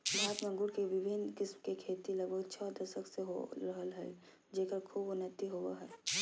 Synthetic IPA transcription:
bʱaːət̪mə̃ŋɡʊɾkeʋɪbʱɪnkɪsmkekʰeːt̪iləɡbʱəɡt͡ʃʰɔd̪əʃəkseɦo̰ɾəɦəlɦɛ̰ | d͡ʒeːkəɾkʰuːbʊnət̪iɦowaɦɛː

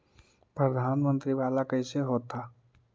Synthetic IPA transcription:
pɾəd̪ʱaːnmə̃nt̪ɾiʋaːlakəɪseɦoːt̪ːaː

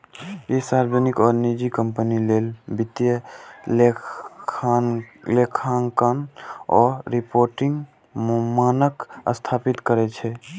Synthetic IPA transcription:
jesaɾd͡ʒənikɔɾnid͡ʒikəmpənilelbit̪jə | lekʰaŋkənɔɾɾipoɾʈiŋɡ | manəkə̰st̪ʰapit̪kəɾɛt͡ʃʰɛ

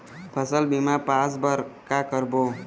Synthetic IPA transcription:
pʰəsəlbimapãsbəɾkakəɾbo

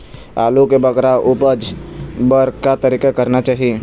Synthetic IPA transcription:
a̰ːlukebəkɾaʔʊpəd͡ʒbəɾkat̪əɾiːkakəɾnat͡ʃaːɦie

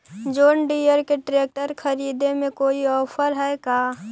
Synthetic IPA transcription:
d͡ʒoːnɖiːjəɾkeʈɾeːk̚ʈəɾkʰəɾiːd̪emẽkoːiɔːpʰəɾɦɛkaː

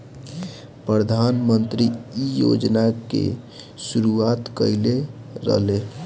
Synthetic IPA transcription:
pɾəd̪ʱanmənt̪ɾiijo̰d͡ʒnakḛ | suɾuat̪kəile | ɾə̰ɦle

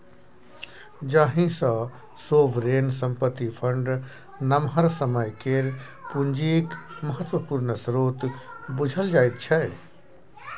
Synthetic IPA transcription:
d͡ʒaɦĩsə̃ | soʋɾensəmpət̪ːipʰəɳɖ | nəmɦəɾsəməjkeɾ | pund͡ʒikməɦət̪wəpuɾnəsɾot̪bud͡ʒʱəld͡ʒaːjt̪̚t͡ʃʰɛ

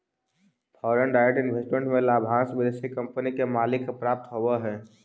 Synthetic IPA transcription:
fʰɔːɾəɳɖaːɪɾeʈɪnʋʱesʈmẽɳʈmẽlaːbʱãːsbəd̪esikə̃mpənikemaːlɪkpɾaːp̚t̪ɦowaɦɛː

